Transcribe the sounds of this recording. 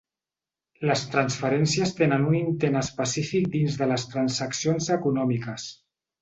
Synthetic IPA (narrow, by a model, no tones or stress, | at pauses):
ləst̪ɾənsfəɾɛnsiəst̪enənunint̪enəspəsifik̚d̪inzðələst̪ɾansəksionzəkunɔmikəs